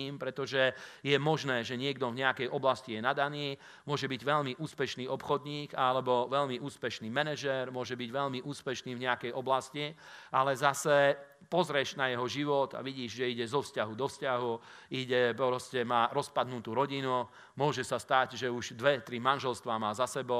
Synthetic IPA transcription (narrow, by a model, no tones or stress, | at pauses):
impɾɛt̪ɔʒɛjɛmɔʒnɛːʒɛɲɪɛɡd̪ɔvɲɛakɛjʔɔblascijɛnad̪aniː | mʊɔʒɛbiɟʋɛʎmiʔuːspɛʃniːɔpxɔd̪ɲiːkalɛbɔʋɛʎmiʔuːspɛʃniːmɛnɛʒɛɾmʊɔʒɛbiɟʋɛʎmiʔuːspɛʃniːvɲɛakɛjʔɔblasci | ʔalɛzasɛ | pɔzɾɛʒnajɛɦɔʒiʋɔt̪a̰ʋiɟiːʒʒɛiɟɛzɔfscaɦud̪ɔfscaɦuiɟɛpɾɔscɛmaɾɔspad̪nut̪uːɾɔɟinu | mʊɔʒɛsast̪aɟʒɛuʒd̪ʋɛt̪ɾimanʒɛlst̪ʋaːmaːzasɛbɔ